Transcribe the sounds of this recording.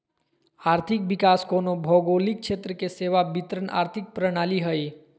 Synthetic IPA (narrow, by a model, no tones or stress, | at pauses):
aːɾt̪ʰik̚bikaːskoːnobʱɔɡolik̚t͡ʃʰet̪ɾəkeseːʋabit̪ɾənʔa̰ːɾt̪ʰik̚pɾəɽ̃aːliɦəj